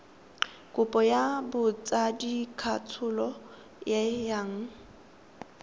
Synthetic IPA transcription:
kʼʊpʼɔjabʊt͡sʼadikʰatʰʊlɔ | jajaŋ̩

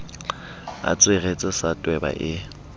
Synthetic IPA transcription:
a̰t͡sʼweɣet͡sʼɪsatʼwɛba̰ʔɪ

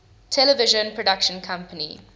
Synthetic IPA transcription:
tʰɛləvɪʒə̃npʰɹɔɖakʃə̃nkʰʌ̃mpənḭ

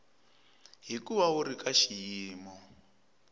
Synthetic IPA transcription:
ɦikuβauɾikaʃijiːmɔ

